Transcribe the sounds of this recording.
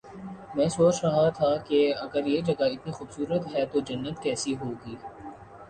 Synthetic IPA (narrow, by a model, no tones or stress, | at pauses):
mɛ̃ːsoːt͡ʃɾɐɦat̪ʰakeɐɡəɾjeːd͡ʒɐɡaɪt̪̚nĩxʊbsuːɾət̪ɦɛːt̪od͡ʒɐnːət̪kɛːsiɦoːɡiː